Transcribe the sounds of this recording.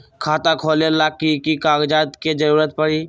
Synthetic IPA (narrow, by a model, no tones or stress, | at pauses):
kʰaːt̪akʰoːlelaːkːikikaːɡd͡ʒaːt̪ked͡ʒəɾuːɾət̪̚pəɽiː